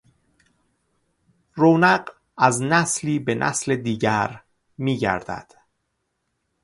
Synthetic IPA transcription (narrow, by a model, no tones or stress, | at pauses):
roːnæɢ | æznæsliːbe̞nʔæ̰sle̞d̪iːɟæɾ | miːɟæ̰ɾd̪̥æ̰d̪̥